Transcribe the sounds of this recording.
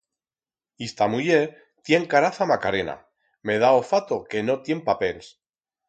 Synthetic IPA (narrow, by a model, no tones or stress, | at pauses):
ist̪amuje | t̪je̞ŋkaɾaθamakaɾe̞na̰ | me̞ð̞aofat̪o̞ke̞no̞t̪je̞mpape̞ls